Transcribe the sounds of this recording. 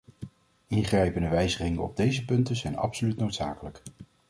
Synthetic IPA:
ɪŋχrɛjpəndəʋɛjzəχɪŋəɔ̰b̚dejzəpɵntəzɛjnɑ̰psolytnowtsa̰ːkələk

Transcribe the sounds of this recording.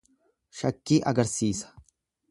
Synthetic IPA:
ʃɐkːiːʔɐɡɐɾsiːsɐ̥

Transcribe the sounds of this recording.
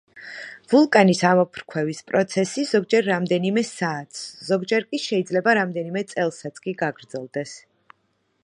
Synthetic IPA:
vulˠkʼanisamɔpʰɾkʰwɛvispʼɾɔt̪sʰɛsiz̥ɔɡ̚d͡ʒɛɾːamd̪ɛnimɛsaːt̪ʰsz̥ɔɡd͡ʒɛɾkʼiʃɛid̪zlɛbaɾamd̪ɛnimɛt̪sʼɛlˠsat̪sʰkʼiɡaɡɾd̪zɛlˠd̪ɛs

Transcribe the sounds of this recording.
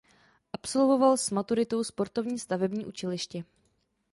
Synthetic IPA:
ʔapso̞lvo̞valsmat̪uɾɪt̪o̞wspo̞ɾt̪o̞vɲiːst̪avɛbɲiːʔut͡ʃɛlɪʃcɛ

